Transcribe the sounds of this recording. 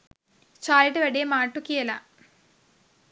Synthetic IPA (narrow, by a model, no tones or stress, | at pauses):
t͡ɕaːliʈːɨʋeɽijɐmaːʈːukːijɐlɐ